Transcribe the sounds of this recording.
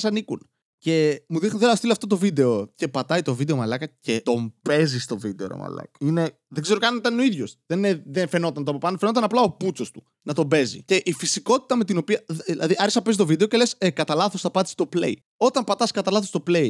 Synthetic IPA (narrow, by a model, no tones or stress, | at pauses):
sɐnikun | ce̞muðixnot̪elɐst̪iloɐft̪ot̪o̞vid̪e̞o̞ce̞pɐt̪ɐit̪o̞vid̪e̞o̞mɐlɐkɐce̞t̪o̞mbe̞zist̪o̞vid̪eoɾo̰mɐ̰lɐ̰kine̞ | ðeɡzeɾokɐit̪ɐno̞iðʝo̞sðeneðenfe̞no̞t̪ɐnt̪opɐpɐnfeno̞t̪̬ɐnɐplɐoput͡so̞st̪u̥ | nɐt̪o̞be̞zḭce̞ʔifisiko̞t̪i̥t̪ɐme̞t̪ino̞piɐilɐ̰ðiʔɐɾisɐpe̞zit̪ovid̪eoce̞le̞sekɐt̪ɐlɐθosθɐpɐt̪i̥st̪o̞plḛi | o̞t̪ɐmpɐt̪ɐskɐt̪ɐlɐθost̪o̞ple̞i